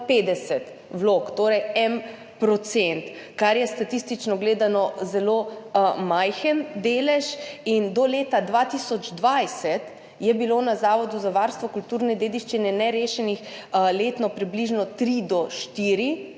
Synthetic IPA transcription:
peːd̪ɛsɛt̪ | ʋlokt̪oːɾɛjɛm | pɾɔt̪sɛnt̪kaɾjɛst̪at̪ist̪it͡ʃnɔɡleːd̪anɔzɛloːmajxənd̪eːlɛʃind̪ɔleːt̪ad̪ʋat̪isɔd͡ʒd̪ʋajsɛt̪ | jɛbilonazaːʋɔd̪uzaʋaɾst̪ʋɔkult̪uːɾnɛd̪eːd̪iʃt͡ʃinɛnɛɾeːʃɛnixleːt̪nɔpɾibliʒnɔt̪ɾid̪ɔʃt̪iːɾi

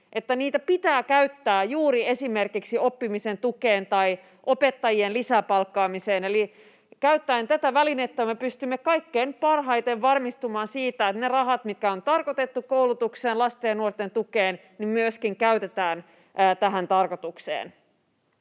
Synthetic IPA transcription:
ʔe̞t̪ːæniːt̪æpit̪æːkæyt̪ːæːjuːɾie̞sime̞rkiksio̞pːimise̞nt̪ukeːnt̪ɑi | ʔo̞pe̞t̪ːɑjienlisæpɑlkːɑːmise̞ːneli | kæyt̪ːæint̪æt̪æʋælinet̪ːæmːepyst̪ymːekɑikːeːnpɑrɦɑjt̪eʋʋɑrmist̪umɑːnsiːt̪æet̪nerɑɦɑt̪mit̪̚kæo̞nt̪ɑrko̞t̪e̞t̪ːukowlut̪ukseːnlɑst̪eːnuort̪ːent̪ukeːn | nimmyøskiŋkæyt̪e̞t̪æːnː | t̪æɦænt̪ɑrko̞t̪uksḛːn

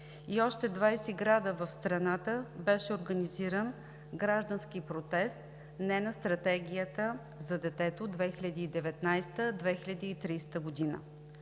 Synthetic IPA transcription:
iɔʃt̪ɛd̪vajsɛɡɾad̪əvəfst̪ɾɐnat̪əbɛʃɛoɾɡəniziɾən | ɡɾaʒd̪ənskipɾot̪ɛst̪ | nɛnɐst̪ɾɐt̪ɛɡʲijət̪ə | zɐd̪ɛt̪ɛt̪od̪vɛxiʎʲɐd̪iːd̪ɛvɛt̪najst̪əd̪vɛxilʲɐd̪iːt̪ɾiːst̪əɡʊd̪inə̰

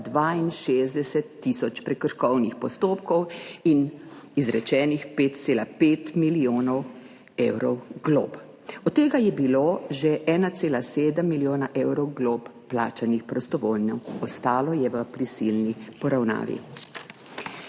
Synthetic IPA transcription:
d̪ʋainʃezd̪ɛsɛt̪ːisɔt͡ʃpɾɛkəɾʃkɔwnixpɔst̪oːpkɔwinizɾɛt͡ʃɛːnixpet̪t̪seːlapeːt̪milioːnɔw | eːwɾɔwɡlo̰ːp | ɔt̪ːeːɡajɛbiloːʒɛʔɛːnat̪seːlaseːd̪əmːiljoːnaʔewɾɔwɡloːpːla̰ːt͡ʃanixpɾɔst̪ɔʋoːlnɔwɔst̪aːlɔjɛʋəpɾisilnipɔɾawna̰ːʋḭ

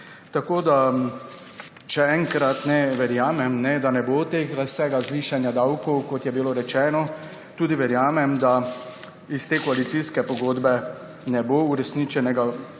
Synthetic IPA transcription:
t̪akoːd̪a | ʃɛɛŋkɾat̪nɛʋɛɾjaːmɛmnɛd̪anɛbot̪exɾasɛːɡazʋiːʃanjad̪awkɔwkɔt̪jɛbiloɾɛt͡ʃɛːnɔ | t̪uːd̪iʋɛɾjaːmɛmd̪a | ist̪eːkɔalit̪siskɛpɔɡoːd̪bɛ | nɛbouɾɛsnit͡ʃɛnɛɡa

